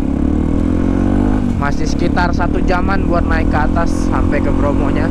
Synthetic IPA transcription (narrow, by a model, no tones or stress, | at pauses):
masɪhsə̥kit̪arsat̪ud͡ʒamanbuat̪̚naɪkːəat̪asːampɛkəpɾomoɲa